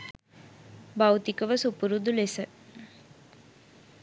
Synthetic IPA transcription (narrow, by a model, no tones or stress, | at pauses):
bawt̪ikəʋəsupuɾud̪ulesə